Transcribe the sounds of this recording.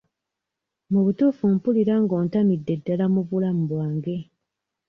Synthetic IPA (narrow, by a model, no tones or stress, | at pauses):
muβutuːfumpuliɾaŋɡo̞ːntamidːe̞dːalamuβulam̩βwaːŋɡe̞